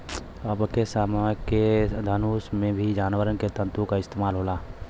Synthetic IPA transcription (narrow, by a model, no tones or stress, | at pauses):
əbəkesaːmked̪ʱənuːsmẽbʱid͡ʒaːnʋəɾənket̪ə̃nt̪ũkaɪst̪eːmaːlɦoːlaː